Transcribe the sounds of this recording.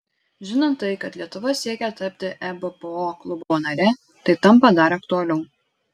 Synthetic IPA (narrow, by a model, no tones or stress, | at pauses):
ʒʲɪnoːnt̪ːɐɪkɐt̪lʲiɛt̪ʊʋɐsʲiɛkʲɛt̪ɐpʲt̪ʲɪʔɛbɐpəoːklˠʊboːnɐɾʲɛ | t̪ɐɪt̪ɐmpɐd̪ɐɾɐk̚t̪ʊɐlʲɛʊ